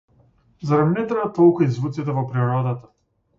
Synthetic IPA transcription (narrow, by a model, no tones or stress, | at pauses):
zaɾanɛt̪ɾɛvat̪ɔlˠkuizvut̪sit̪ɛvɔpɾiɾɔd̪at̪a